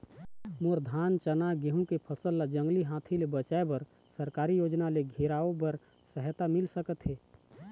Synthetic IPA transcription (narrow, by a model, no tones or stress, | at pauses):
moɾd̪ʱaːnt͡ʃənaɡeɦũkepʰəsəlːad͡ʒə̃ŋɡliɦãt̪ʰilebət͡ʃaebəɾ | səɾkaːɾijoːd͡ʒnaleɡʱiɾaobəɾ | səɦt̪amɪlsəkət̪ɦeː